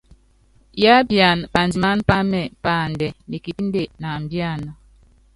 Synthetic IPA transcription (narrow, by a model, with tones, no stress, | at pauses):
ja˦bja˨nba˨nd͡zi˨ma˦npa˦mɛ˨pa˦˨ndɛ˨mi˨ki˨˦n˦de˦˨na˨m˨bja˦˨na˨